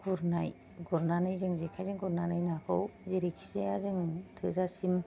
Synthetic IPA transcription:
ɡ̥uɾnaj | ɡɔɾnanɯjzɯŋzekʰajzɯŋɡɔɾnanɯjnakʰɯwzeɾikizeazɯŋtʰɯzasim

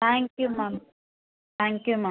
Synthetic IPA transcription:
t̪ʰaŋkjumam | t̪ʰaŋkjuma

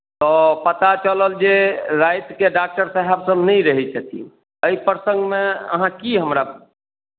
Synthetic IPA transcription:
t̪ɔpət̪at͡ʃələld͡ʒeɾajt̪keɖak̚ʈəɾsəɦɛbsəbnəjɾəɦɛt͡ʃʰət̪ʰḭ | əipɾsə̃ŋɡmeə̰ɦãkiɦəmɾa

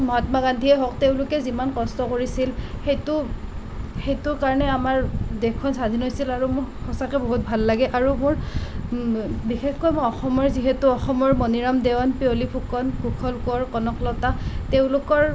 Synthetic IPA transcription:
mɔɦatmaɡandʱiɛɦɔk̚teʊ̃lʊkɛzimankɔstɔkoɹisilxejtʊ | xejtʊɹkaɹɔnɛamaɹdekʰːɔnsad̪ʱinɦojsilaɹumʊɹxɔsakɛboɦut̚bʱalːaɡɛʔaɹumʊɹ | bixekkojmoɔxɔmɔɹziɦɛtuɔxɔmɔɹmoniɹamdewɔnpiolipʰukɔnɡukʰɔlkɔɹkɔnɔklɔtateʊ̃lʊkɔɹ

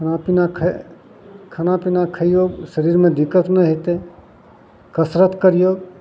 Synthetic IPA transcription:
kʰnapinakʰ | kʰɐnaːpinakʰəjjoːɡsəɾiːɾmẽd̪ɪkət̪nəɦet̪e | kəsɾət̪kəɾijoːɡ

